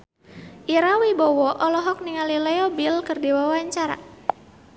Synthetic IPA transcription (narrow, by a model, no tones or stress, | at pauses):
ʔiɾawibɔwɔʔɔlɔɦɔk̚niŋalilɛɔbilkɨrdewawaɲt͡ʃaɾa̰